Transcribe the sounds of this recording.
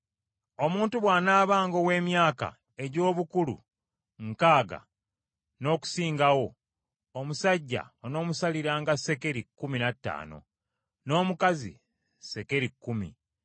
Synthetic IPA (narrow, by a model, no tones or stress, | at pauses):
o̞muːntuβwaːnaːβaːŋɡo̞we̞ːmjaːka̰ | e̞ɟo̞ːβukulṵ | ŋkaːɡa̰ | no̞ːku̥siːŋɡawo̞ː | musaɟːa̰ono̞ːmusaliɾaːŋɡase̞ke̞ɾikːuminatːa̰ːno̞̰ | no̞ːmukazḭ | se̞ke̞ɾikːumḭ